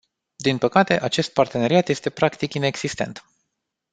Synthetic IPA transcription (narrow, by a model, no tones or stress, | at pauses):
d̪inpəkat̪e̞ʔat͡ʃe̞st̪̚part̪e̞ne̞ɾiat̪je̞st̪e̞pɾakt̪ikine̞ɡz̥ist̪e̞̰nt̪